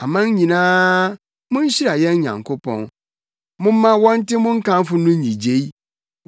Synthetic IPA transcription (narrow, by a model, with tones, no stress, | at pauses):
a˨mã˦ɲ˦ɲĩ˨nãː˦ | mʊ̃˦n̩˦ɕi˦ɾa˨jɛ˦n˦ɲã̰˨ŋkʰo˦pʰɔ̰̃˦n | mʊ̃˦mã˦wɔ̃˦n̩˦tɪ˦mʊ̃˦ŋ̩˦kã˦m˦fʊ˦nʊ̃˦n˦ɲĩ˨d͡ʑe˦i˦